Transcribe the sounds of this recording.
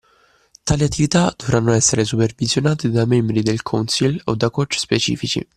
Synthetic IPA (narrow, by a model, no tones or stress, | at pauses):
t̪aːliat̪ːivit̪ad̪̥ovɾanːoɛsːeɾes̬upervizjonaːt̪id̪amɛmbɾid̪elkʰɔnsilod̪ːakɔt͡ʃːspet͡ʃḭːfit͡ʃḭ